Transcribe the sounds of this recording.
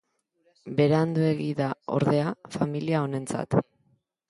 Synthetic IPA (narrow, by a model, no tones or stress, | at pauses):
be̞ɾeand̪ue̞ɣiðao̞̰ɾðe̞afamiliao̞ne̞nt͡sa̰t̪